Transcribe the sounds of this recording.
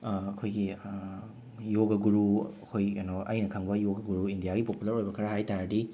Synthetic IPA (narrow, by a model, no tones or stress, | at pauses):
ɐkʰojɡi | joɡɐɡuɾuɐkʰojanoʔɐ̰jnɐkʰɐŋbɐjoɡɐɡuɾuindijaɡipopulɐɾojbɐkʰaɾɐɦajtaɾɐdi